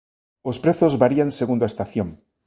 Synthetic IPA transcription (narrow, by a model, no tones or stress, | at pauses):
ospɾeθozβaɾianseɣ̞und̪oest̪aθjoŋ